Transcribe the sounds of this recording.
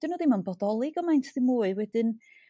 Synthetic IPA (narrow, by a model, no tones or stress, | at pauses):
d̥ɪnuðimanbɔdɔlˠɪɡɔmajntʰðɪmuːɨwɛdɪn